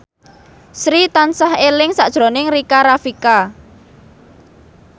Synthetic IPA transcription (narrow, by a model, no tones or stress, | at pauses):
sɾit̪ansahelɪŋsaʔd̥ʒ̥ɾo̤nɪŋrikaɾafika